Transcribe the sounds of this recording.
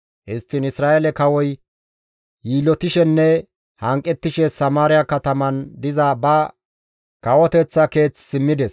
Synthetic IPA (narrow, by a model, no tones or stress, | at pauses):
ʔɪst̪ːɪnɪsɾaːʔɛlɛkɐwɔj | jiːlɔt̪ɪʃɛnːɛ | hɐŋkʼːɛt̪ːɪʃɛsɐmaːɾɪjakɐt̪ɐmɐnd̪ɪzabɐ | kɐwɔt̪ɛt͡sːɐke̞ːt͡sːsɪmːɪd̪ɛs